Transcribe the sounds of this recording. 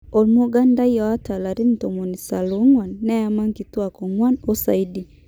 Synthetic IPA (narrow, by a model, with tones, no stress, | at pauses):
ɔ˨lmo˦ɡa˦nda˦jja˨a˦ta˨la˨ɾi˦n̩˨tɔ˨mo˨ni˨sa˨lo˨˦ŋwa˨nːɛ˦a˨ma˦ŋki˨twa˨kɔ˨ŋwa˦no˦sa˨i˦di˨